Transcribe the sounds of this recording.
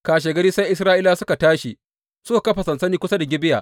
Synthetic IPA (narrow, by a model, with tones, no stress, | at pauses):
kaː˨ʃ̬eː˨ɡɐ˦ɾiː˦sa˦jʔɪ˦s̬ɾaː˦ʔɪː˦laː˦sʊ˦ka˨taː˦ʃi˨ | sʊ˦a˨kɐ˦ɸa˨sɐ˨nsɐ˦niː˦kʷʊ˦sa˦da˨ɡʲɪ˦bɪ˦ja̰ː˨ʔ